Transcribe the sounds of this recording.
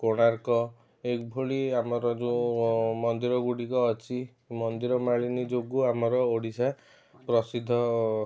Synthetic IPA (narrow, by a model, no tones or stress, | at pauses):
koɽ̃aɾkɔ | ekbʱoɭiamɔɾɔd͡ʒũmɔnd̪iɾɔɡuɽikɔːt͡ʃʰi | mɔnd̪iɾɔmaɭinid͡ʒoɡuamɔɾɔoɽisa | pɾɔsid̪ʱːɔ